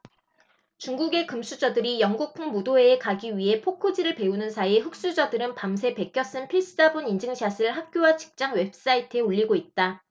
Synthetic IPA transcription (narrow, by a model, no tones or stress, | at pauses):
t͡ɕuŋɡuɡe̞kɯmsʰud͡ʑʌdɯɾijʌŋɡuk̚pʰɯŋmodoe̞ːkaɡiɥiɦe̞pʰokʰod͡ʑiɾɯɭpe̞unɯnsʰaieɸɯk̚s͈ud͡ʑʌdɯɾɯnpams̬ʰe̞pe̞k͈jʌs͈ɯnpʰis͈ʰɯdabunind͡ʑɯŋɕʰasʰɯɯɭɦap̚k͈jowat͡ɕi̥k̚t͡ɕ͈aŋwe̞p̚s͈aitʰɯeoʎːiɡoit̚t͈a